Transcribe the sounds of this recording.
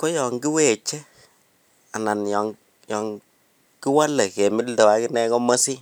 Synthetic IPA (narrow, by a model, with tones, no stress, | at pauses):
kɔ˦jɔ˨ŋɡi˦we˨t͡ʃe˦ | a˨na˨njɔ˨ŋ | jɔ˨ŋ | ki˦wa˦le˨ke˨mɪ˦ldɔ˨wa˨˦kɪ˦nɛ˦kɔ˦mə˦si˦